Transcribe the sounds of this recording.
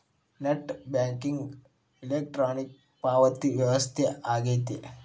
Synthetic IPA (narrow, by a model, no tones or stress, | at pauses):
neʈbãŋkiŋɡ | ilek̚ʈɾonik̚ | paʋət̪iʋjɐʋəst̪ʰeaɡet̪ḛ